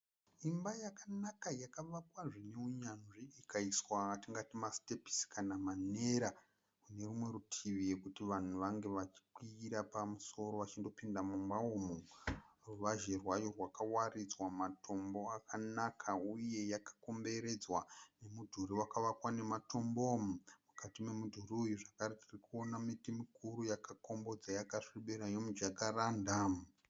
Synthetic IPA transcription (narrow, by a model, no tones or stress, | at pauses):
imbajakanakajakaʋakwaʐine̞uɲanʐiːkaiswatiŋɡatimaste̞pi̥skanamane̞ɾa | kune̞rumwe̞ɾutʰiʋije̞kutiʋan̤uʋaŋɡe̞ʋat͡ʃi̥ǃwiiɾapamuso̞ɾo̞ʋat͡ʃindo̞pindamumbaomoruʋaʒerwajorwakawarid͡zwamatʰo̞mbo̞akanakʰauje̞jakḁko̞mbe̞ɾe̞d͡zwane̞mudʱuɾiwakaʋakwane̞matʰo̞mbommukatime̞mudʱuriujuʐakaɾetirikuonamitimikuɾujakako̞mbo̞d͡zajakaʂiɓeɾajomud͡ʒakaraːndam